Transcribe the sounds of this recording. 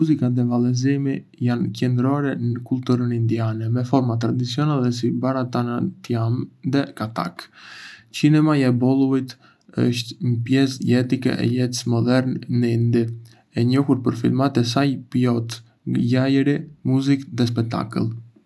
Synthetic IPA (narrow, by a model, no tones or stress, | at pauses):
muzikaðɛvalɛzimi | jancɛnd̪ɾɔɾɛnəkulˠt̪uɾənind̪ianɛmɛfɔɾmat̪ɾad̪it͡sjɔnalɛs̬ibaɾat̪anat̪jamðɛkat̪a̰k | t͡ʃinɛmaɛbɔlˠuit̪ | ə̰ʃt̪məpjɛsjɛt̪ikɛ̰ʔɛ̰jɛt̪smɔd̪ɛɾnnːind̪i | ɛɲɔhuɾpəɾfilˠmat̪ɛs̬ajpjɔt̪ | jajəɾimuzikðɛs̬pɛk̚t̪a̰kə̰lˠ